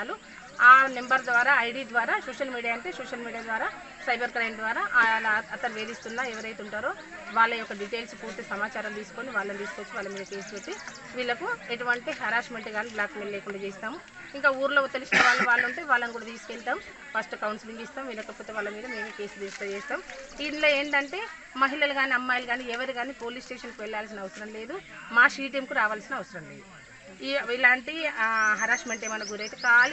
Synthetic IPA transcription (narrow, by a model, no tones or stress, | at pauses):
lu | aːne̞mbɐɾd̪ʋaːɾaːɐjɖid̪ʋaːɾaːsoːʃɐlmiːɽijaːɐɳʈeːsoːʃɐlmiːɽijaːd̪ʋaːɾaː | sɐjbɐɾkɾɐjmd̪ʋaːɾaːʔlaɐt̪ɐɾʋeːd̪ist̪unːaːeʋɐɾɐjt̪uɳʈaːɾo̞ː | ʋaːɭːɐɔkːɐɖiʈeːlspuːɾt̪isɐmaːt͡ʃaːɾɐmt̪iːsu̥ko̞niʋaːɭːɐnit̪iːsukoʋot͡ʃːuʋaːɭːlɐmiːd̪ɐke̞ːsuʋet̪ːi | ʋiːlːɐkueʈuʋɐɳʈiɦɐɾaːsmeɳʈiɡaːniblaːk̪milɐleːkuɳɖaːd͡ʒeːst̪aːmu | iŋkaːuːɾuloːt̪elisinɐʋaːɭːɐʋaːɭːɐuɳʈeːʋaːɭːɐnkuːɽɐt̪iːsu̥kɛlʈ̪aːm | fɐsʈɐkɐwɳsiliŋɡist̪aːmʋiːlːɐkɐpːoːt̪e̞ːʋaːɭːɐmiːd̪ɐme̞ːmekeːsuud̪iːst̪ɐt͡ʃeːst̪aːmiːnloːe̞ːɳʈɐɳʈe̞ː | mɐɦilɐlɐɡaːniɐmːaːjluɡaːniɛʋɐɾiɡaːniːpo̞ːliːsʈeːʃɐnkuʋɛɭːaːls̬inɐʋɐsɐɾɐmle̞ːd̪umaːʃiːʈ̬jɐmkuɾaːʋaːlsinɐʋɐsɐɾɐmlḛd̪u | iilaːɳʈiɦɐɾaːʂmeɳʈeːmɐnɐɡuɾɐjt̪ekaːli